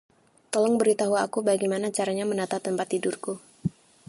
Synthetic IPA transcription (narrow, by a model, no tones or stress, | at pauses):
t̪ɔlɔŋbəɾit̪aɦuaakubaɡimanat͡ʃaɾaɲamənat̪at̪əmpat̪ːidʊrku